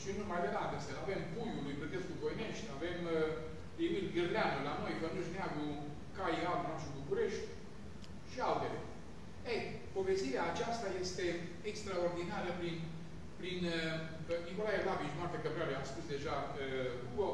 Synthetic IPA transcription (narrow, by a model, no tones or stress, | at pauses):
ʃinunmajd̪ed̪at̪ɨnsəave̞mpujulujbɾet̪e̞skuvo̞jne̞ʃt̪ʲave̞m | emilɡɨrleanulano̞jfənuʃ̬neaɡu | kajalunat͡ʃibukuɾe̞ʃt̪ʲ | ʃialt̪e̞lḛ | ej | po̞ve̞st̪iɾeaːt͡ʃast̪aje̞st̪e̞ | ekst̪ɾao̞rd̪inaɾəpɾin | pɾinə | niko̞lajelavit͡ʃnoart̪akəbɾealeamspusd̪e̞ʒaəɡuɡo